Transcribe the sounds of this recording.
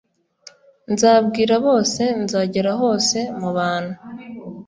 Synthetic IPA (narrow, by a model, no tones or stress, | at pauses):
nzaːbɡiːɾaβo̞ːse̞nzaːɟeɾaɦo̞ːse̞muβaːn̥hu